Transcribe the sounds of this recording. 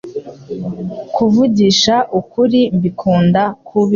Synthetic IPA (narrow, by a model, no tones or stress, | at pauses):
kuvuɟiʃaʔukuɾimbikʰuːndakʰuβi